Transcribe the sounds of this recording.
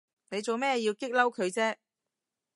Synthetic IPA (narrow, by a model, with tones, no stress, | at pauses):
ne˨˧jt͡so˨wmɛː˥jiː˧wkɪ˥k̚lɐ˥wkʰɵ˨˧ɥt͡sɛː˥